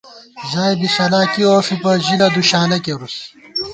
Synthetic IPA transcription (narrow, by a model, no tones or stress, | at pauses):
ʑaːjbisɐlaːkioːfipɐʑilɐd̪uɕaːnɐkeɾus